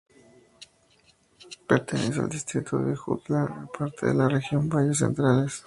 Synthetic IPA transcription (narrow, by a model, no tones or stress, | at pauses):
pe̞ɾt̪enes̬oa̰ld̪ist̪ɾit̪ʰoðexṵt̪laapʰaɾt̪ʰeðḛlarexjo̞mbajes̬e̞̰nt̪ɾales